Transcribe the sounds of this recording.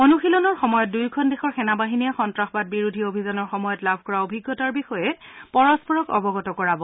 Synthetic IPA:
onuxilɔnɔɹxɔmɔjɔt̚dujkʰɔndexɔɹxɛnabaɦinijaxɔntɹaxɔbat̚biɹudʱiobʱizanɔɹxɔmɔjɔtlabʱkɔɹaobʱiɡːɔtaɹbixɔjɛpɔɹɔspɔɹɔkɔ̰bɔɡɔtɔkɔɹabɔ

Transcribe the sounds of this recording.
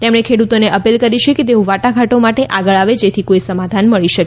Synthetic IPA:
t̪emɳ̃ekʰeɽut̪oneʔəpilkəɾiʃeket̪̬eũʋaʈaɡʱaʈomaʈeʔaɡəɭaʋed͡ʒet̪ʰikoisəmad̪ʱanməɭiʃəke

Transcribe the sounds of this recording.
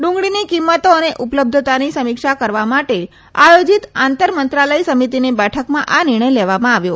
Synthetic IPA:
ɖũŋɡɽinikimːət̪oəneʔupləb̚d̪ʱət̪anisəmikʃakəɾʋamaʈe | ajod͡ʒit̪ãnt̪əɾmənt̪ɾaləisəmit̪inibɛʈʰəkmãʔanɪɾɳ̃əjleʋamãaʋjo

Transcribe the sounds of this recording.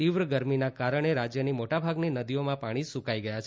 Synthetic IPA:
iʋɾəɡəɾminakaɾəɳ̃eɾad͡ʒjənimoʈabʱaɡninəd̪ijomãpaɽ̃isũkaiɡəjat͡ʃʰ

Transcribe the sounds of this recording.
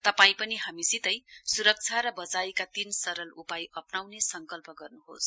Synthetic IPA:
t̪ʌpaĩpʌniɦamisit̪ʌjsuɾʌk̚t͡sʰaɾʌbʌd͡zajkat̪insʌɾʌlupajʔʌpnawnesʌŋkʌlpʌɡʌrnuɦo̰s

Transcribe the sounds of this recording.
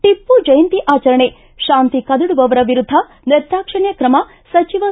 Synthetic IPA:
t̪ipːud͡ʒɐjɐnt̪iʔaːt͡ʃɐɾɐɳe | ʃaːnt̪ikɐd̪ɐɽuʋɐʋɐɾɐʋiɾud̪ʱːɐ | niɾt̪ɾaːkʂɐɳjɐkɾɐmɐ | sɐt͡ʃiʋɐ

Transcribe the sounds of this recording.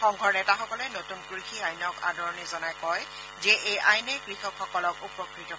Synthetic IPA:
xɔŋɡʱɔɹnɛtaxɔkɔlɛnotunkuɹixiajnɔka̰dɔɹɔnizɔnajkɔj | zɛʔejajnɛkɹixɔkxɔkɔlɔkupɔkɹitɔ

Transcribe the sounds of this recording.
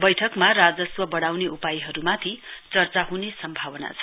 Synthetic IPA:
bʌjʈʰʌkmarad͡zʌswʌbʌɽawneʔupajiɦʌɾumat̪ʰit͡sʌrt͡saɦunesʌmbʱawʌna̰t͡sʰʌ

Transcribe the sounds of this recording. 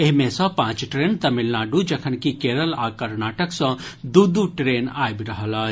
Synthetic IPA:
eɦmẽsɔ̃pãːt͡ʃʈɾent̪ɐmilnaɖud͡ʒɐkʰənkikeːɾəlaːkəɾnaːʈəksɔ̃d̪ud̪uʈɾeːnaːjbɾɐɦəla

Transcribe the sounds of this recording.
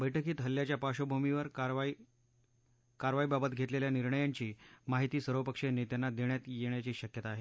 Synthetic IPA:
bəjʈʰəkiːt̪ɦəlːjat͡ɕjapaɕobʱumiʋəɾ | kaɾʋaibabət̪ɡʱet̪leljaniɾɳəjaɲt͡ɕiːmaɦit̪iːsəɾʋəpəkʂenet̪janːad̪eɳjat̪jeɳ̃jat͡ɕiːɕəkjət̪aːɦe

